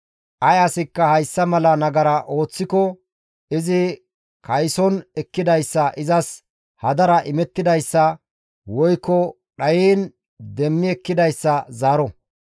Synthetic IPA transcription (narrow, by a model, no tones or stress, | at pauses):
ʔɐjɐsɪkːɐhɐjsːɐmɐlɐnɐɡɐɾɐʔo̞ːt͡sːɪkɔ | ɪzɪ | kʰɐjsɔnɛkːɪd̪ɐjsːɐʔɪzɐs | hɐd̪ɐɾɐʔɪmɛt̪ːɪd̪ɐjsːɐ | wɔjkːɔ | ɗɐjiːn | d̪ɛmːɪɛkːɪd̪ɐjsːɐzaːɾɔ